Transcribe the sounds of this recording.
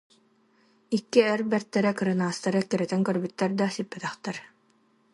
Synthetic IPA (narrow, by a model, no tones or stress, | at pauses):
ikːiɛɾbɛɾt̪ːɛɾɛkɯɾɯnaːst̪aɾɯkiɾɛt̪ɛŋkœɾbyt̪ːɛɾd̪asipːɛt̪ɛχt̪ɛɾ